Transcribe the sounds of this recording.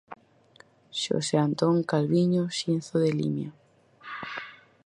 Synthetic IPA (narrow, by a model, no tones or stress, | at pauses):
ʃo̰seant̪oŋkalβiɲoʃinθoðelḭmja